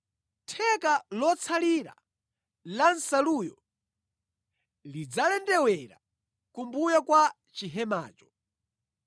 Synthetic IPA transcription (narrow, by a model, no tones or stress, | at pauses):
tʰɛkalɔt͡sʰaliɾa̰ | lansalujɔ | lid͡zalɛndɛwɛɾa̰ | kumbujakwa | t͡ʃiɦɛma̰ːt͡ʃɔ̥